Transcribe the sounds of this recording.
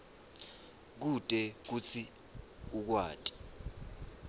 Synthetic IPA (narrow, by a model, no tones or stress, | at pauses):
k̬ud̥ʱʼɛk̬ut͡sʰi | uk̬wa̰ːtʼi̥